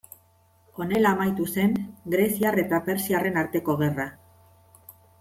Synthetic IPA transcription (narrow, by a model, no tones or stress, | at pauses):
o̞ne̞laːmajt̪use̞ŋɡɾe̞siare̞t̪ape̞ɾsiare̞naɾt̪e̞ko̞ɣe̞ra